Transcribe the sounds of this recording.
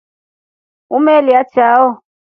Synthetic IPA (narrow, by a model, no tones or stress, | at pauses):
umɛliat͡ʃaːwɔ